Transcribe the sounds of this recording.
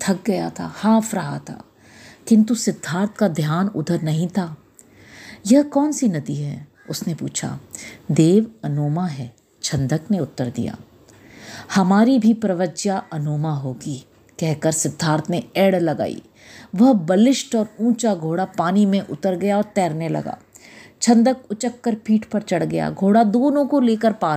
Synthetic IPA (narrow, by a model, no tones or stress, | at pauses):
t̪ʰɐk̚ɡɐja̰t̪ʰa̰haːfʰɾɐɦat̪ʰa̰ː | kɪ̃nt̪usɪd̪ʱːaːɾt̪ʰkad̪ʱjaːnʊ̰d̪ʱəɾnɐɦĩt̪ʰaː | jɐɦkɔːnsinɐd̪iɦɛː | ʊsnepṵːt͡ʃʰa̰ːd̪eːʋɐnoːmaɦɛː | t͡ʃʰɐ̃nd̪ʱəkneʊt̪ːəɾd̪ḭja̰ː | hɐmaːɾibʱipɾɐʋəd͡ʒjaʔɐnoːmaɦoːɡiː | kɛɦkəɾsɪd̪ʱːaːɾt̪ʰneɛːɽlɐɡa̰ːḭː | ʋɐɦbɐlɪʃʈɔːɾũːt͡ʃaɡʱoːɽapaːnimẽʔʊt̪əɾɡɐjaɔːɾt̪ɛːɾnelɐ̰ɡa̰ː | t͡ʃʰɐ̃nd̪əkʊt͡ʃəkːəɾpiːʈpɐɾt͡ʃɐɽɡɐja̰ːɡʱoːɽad̪oːnõkoleːkəɾpaː